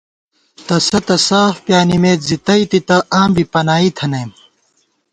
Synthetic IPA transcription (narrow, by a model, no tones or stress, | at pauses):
t̪ɐsɐt̪ɐsaːfpjaːnimeːt̪zit̪ɐit̪it̪ɐʔãːmbipɐnaːit̪ʰɐnɐjm